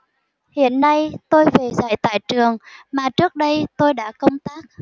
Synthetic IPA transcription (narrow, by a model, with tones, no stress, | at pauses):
hḭ˧˨ənːa˧jt̪o˧jve˨˩za̰ː˧˩jt̪a̰ː˧˨jt͡ɕɨ˨˩əŋmaː˨˩t͡ɕɨ˦˥ək̚ɗə˧jt̪o˧jɗa̰ː˧˥kə˧wŋ͡mt̪aː˦˥k̚